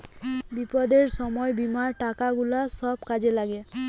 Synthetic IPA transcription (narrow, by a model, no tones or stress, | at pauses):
bipɔd̪eɹsɔmɔebimaɹʈakaɡulasɔb̚kad͡ʑelaɡɛ